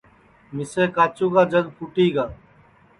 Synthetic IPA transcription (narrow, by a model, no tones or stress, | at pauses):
mɪseːkaːt͡ʃuːkaːd͡ʒəɡpʰʊʈiːɡaː